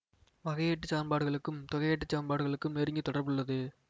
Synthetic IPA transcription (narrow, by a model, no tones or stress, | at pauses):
ʋɐɣɐjeʈːɯt͡ʃːaːnbaːɽɯɣɐɭɯkːɯmt̪ɔɣɐjeːʈːɯt͡ʃːaːnbaːɽɯɣɐɭɯkːɯmneɾɯŋɡit̪ːɔɽɐɾbɯɭːɐðɯ